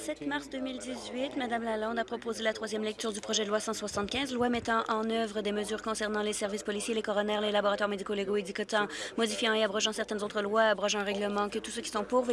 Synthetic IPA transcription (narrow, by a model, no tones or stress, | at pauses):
sɛt̪maʁsd̪ømild̪izɥit̪mad̪amlalɑ̃d̪apχɔpozelat̪χwazjɛmlɛk̚t̪yːʁd̪ypχɔʒɛd̪əlwasɑ̃swasɑ̃t̪̚kʲɛ̃zlwamɛt̪ɑ̃ʔɑ̃nœvʁəd̪eməzyːʁkɔ̃sɛʁnɑ̃lesɛʁvispɔlisjelekɔʁɔnɛʁlelabɔʁat̪waʁmed̪ikoleɡoed̪ikɔt̪ɑ̃mɔd̪ifjɑ̃eabʁɔʒɑ̃sɛʁt̪ɛnzot̪χəlwaabʁɔʒ̃ɛ̃ʁɛɡləmɑ̃kət̪u̥søkʲi̥sɔ̃puʁv